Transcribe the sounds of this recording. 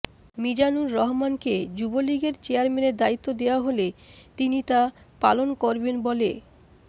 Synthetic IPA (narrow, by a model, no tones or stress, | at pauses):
mid͡ʑanuɾːɔɦmanked͡ʑuboliɡeɾt͡ɕeaɾmeneɾd̪ait̪ːod̪eoaɦolet̪init̪a | pa̰lonkoɾbenbole